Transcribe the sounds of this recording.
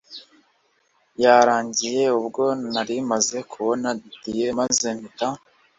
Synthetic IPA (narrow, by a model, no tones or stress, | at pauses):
jaɾaːɲɟije̞ubɡo̞naɾimaze̞kʰuβo̞naditije̞maze̞nita